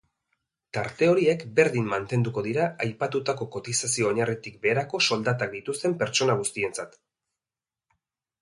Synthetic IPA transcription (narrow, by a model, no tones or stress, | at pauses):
t̪aɾt̪e̞o̞ɾiekbe̞ɾðimːant̪e̞nd̪uko̞ðiɾaajpat̪ut̪ako̞ko̞t̪isasio̞ːɲarit̪ik̚be̞ːɾako̞so̞ld̪at̪ak̚d̪it̪ust̪e̞mpe̞ɾt͡ʃo̞naɣ̞ust̪ie̞nt͡sat̪